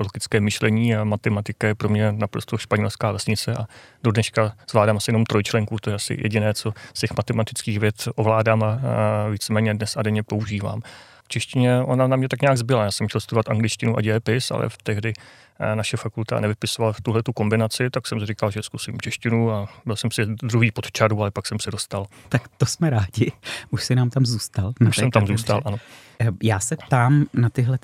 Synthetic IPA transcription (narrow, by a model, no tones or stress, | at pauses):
oloɡɪt͡skɛːmɪʃlɛɲiːamat̪ɛmat̪ɪkajɛpɾomɲɛnapɾost̪oʃpaɲɛlskaːvɛsɲɪt͡sɛʔado̞dnɛʃkaz̥vlaːdaːmsɛjɛnomt̪ɾo̞jt͡ʃlɛŋkuːt̪ojɛasɪ̰jʔɛ̰ɟɪnɛːt͡so̞scɛxmat̪ɛmat̪ɪt͡skiːxvjɛt̪ʔo̞vlaːdaːmaviːt͡sɛmɛːɲɛdnɛsadɛɲɛpo̞uʒiːva̰ːm | ft͡ʃɛʃcɪɲɛʔonanamɲɛt̪akɲaːɡzbɪlajaːsɛmxcʲɛlst̪udovat̪aŋɡlɪt͡ʃcɪnuʔa̰d͡ʒɛːpɪsa̰lʔɛ̰ft̪ɛɦdɪ | naʃɛfakult̪a̰nɛvɪpɪsovalaft̪uɦlɛt̪uko̞mbɪnat͡sɪt̪aksɛmrɪkalʒɛskusḭːmt͡ʃɛʃcɪnuabɪlsɛmsɪd̪ɾuɦiːpot̪t͡ʃaɾualɛpaksɛmsɛdo̞st̪alt̪akt̪osmɛɾaːɟɪuʃsɪnaːmt̪amzuːst̪alnaʃsɛmt̪amzuːst̪alʔano̞ | jaːsɛpt̪aːmnat̪ɪɦlɛ